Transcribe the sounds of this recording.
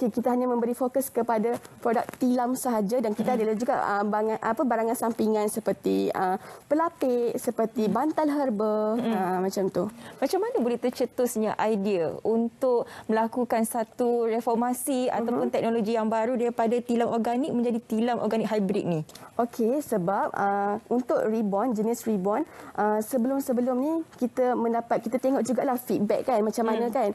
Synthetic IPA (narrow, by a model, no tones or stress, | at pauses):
okekit̪aɦaɲamə̃mbəɾifokəskəpadapɾodak̚t̪ilamsəɦad͡ʒadankit̪aːdalad͡ʒuɡa̰əbaŋanʔapabaɾaŋansampiŋansəpərt̪iəmpəlapɪʔsəpərt̪ibant̪alɦərbəəmãt͡ʃamt̪umãt͡ʃamːanabolɛht̪ərt͡ʃət̪ʊsɲaʔajdiaunt̪ʊk̚mə̃lakukansat̪urefɔrmasia̰t̪awpʊnt̪ɛk̚noloɡijaŋbaɾudaɾipadat̪ilamʔɔrɡanik̚mə̃ɲd͡ʒadit̪ilamʔɔ̰rɡanik̚ɦajbɾḭt̪̚niʔokʰesəbap̚əunt̪ʊʔ̚ribɔnd͡ʒənisribɔnʔəsəbəlʊmsəbəlʊmnikit̪əmə̃ndapat̪̚kit̪at̪eŋɔʔ̚d͡ʒuɡaʔlahfit̪̚bɛkːanmat͡ʃamːanãkan